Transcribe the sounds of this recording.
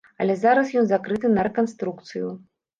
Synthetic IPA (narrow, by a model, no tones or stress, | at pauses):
ɐlʲɛzaɾɐsjɔnzakɾɨt̪ɨnɐɾɛkanst̪ɾukt̪sɨju